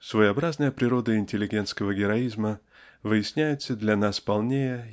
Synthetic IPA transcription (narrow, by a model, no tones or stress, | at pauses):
svəjɐbɾaznəjəpɾʲɪɾo̞d̪əɪnʲtʲɪlʲːɪɡʲe̞nt̪skəvəɡʲɪɾɐizmə | vɨjɪsʲnʲæjʊt̪səd̪lʲɐnaspɐlˠnʲejə